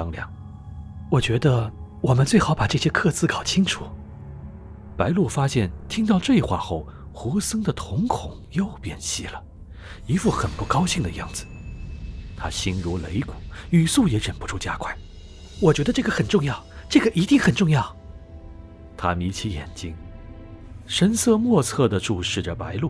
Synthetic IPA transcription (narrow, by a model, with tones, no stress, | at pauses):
ɑ˥ŋljɑ̰˧˩ŋ | wɔ˨˩t͡ɕɥɛ˧˥d̪ə˧wɔ˨˩mə˦nt͡swe˥˩ɪxɑ˨˥ʊpa˨˩ʈ͡ʂɤ˥˩ɕjɛ˥kʰɤ˥˧t͡sɹ̩˥˩kɑ˨˩ʊt͡ɕʰi˥ŋʈ͡ʂʰu˨˩˦ | pa˧˥ɪlwɔ˥˩fa˥ɕjɛ˥˩nt̪ʰi˥ŋt̪ɑ˥˧ʊʈ͡ʂɤ˥˩i˧˥xwa̰˥˧xo˥˩ʊ | xu˧˥sɤ˥ŋd̪ə˨t̪ʰʊ˧˥ŋkʰʊ˨˩˦ŋjo˥˩ʊpjɛ˥˩nɕi˥lə˩ | i˧˥fu˥˩xə˨˩npu˥˩kɑ˥ʊɕi˥˩ŋd̪ə˩jɑ̰˥˩ŋd͡zɹ̩˩ | t̪ʰa˥ɕi˥nɻu˧˥le˧˥ɪku˨˩y˨˩su˥˩jɛ˧˥ɻə˨˩npu˧˥ʈ͡ʂʰu˥˩t͡ɕja̰˥kʰwa˥˩ɪ | wɔ˨˩t͡ɕɥɛ˧˥d̪ə˧ʈ͡ʂɤ˥˩ɡə˩xə˨˩nʈ͡ʂʊ˥˧ŋjɑ˥˩ʊʈ͡ʂɤ˥˩ɡə˩ʔi˧˥t̪i˥˩ŋxə˨˩nʈ͡ʂʊ˥˧ŋjɑ˥˩ʊ | t̪ʰa˥mi˧˥t͡ɕʰi˧˥jɛ̰˨˩nt͡ɕi˥ŋ | ʂə˥nsɤ˥˧mwɔ˥˧t͡sʰɤ˥˩d̪ə˩ʈ͡ʂu˥˧ʂɻ̩˥˩ʈ͡ʂə˩pa˧˥ɪlu˥˩